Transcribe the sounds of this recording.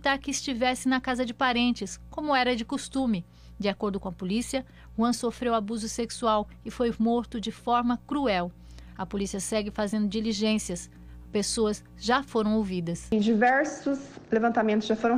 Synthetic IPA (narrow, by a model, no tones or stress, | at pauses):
t̪aɾkɪːst͡ʃivɛsɪnɐkazɐd͡ʒɪpaɾẽnt͡ʃɪskõmʊɛɾɐd͡ʒɪkost̪ũmɪ | d͡ʒɪakoɾd̪ʊkõɐpolisiɐ | hwɐ̃sofɾewabuzʊseksuaw | ɪfojmoɾt̪ʊd͡ʒɪfɔɾmɐkɾuɛw | ɐpolisiɐsɛɡɪfazẽnd̪ʊd͡ʒiliʒẽsiɐs | pesoɐz | ʒafoɾɐ̃w̃owvid̪ɐsd͡ʒivɛɾsʊslevɐ̃nt̪amẽnt̪ʊsʒafoɾɐ̃w̃